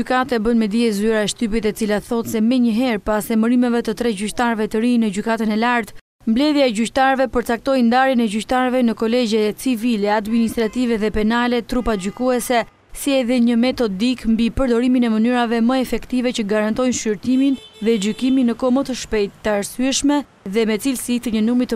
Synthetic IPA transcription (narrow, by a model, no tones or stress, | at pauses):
ykat̪aɛbənmɛd̪iɛzyɾaɛʃt̪yp̬it̪ɛt͡silaθɔt̪sɛmɛɲəɦɛɾpasɛməɾimɛvɛt̪ət̪ɾɛɟyct̪aɾvɛt̪əɾinəd͡ʑykat̪ənɛlaɾt̪ | mblɛðjaɛɟyct̪aɾvɛpəɾt͡sak̚t̪ɔjnd̪aɾinɛɟyct̪aɾvɛnəkɔlɛd͡ʑɛt͡sivilɛad̪minist̪ɾat̪ivɛðɛpɛnalɛt̪ɾupaɟykuɛsɛ | siɛðɛɲəmɛt̪ɔd̪ikmbipəɾd̪ɔɾiminɛmənyɾavɛməɛfɛkt̪ivɛt͡ɕəɡaɾant̪ɔjnʃyɾt̪iminðɛɟykiminəkɔmət̪əʃpɛjt̪ːaɾsyɛʃmɛ | ðɛmɛt͡silsit̪əɲənumɾit̪ə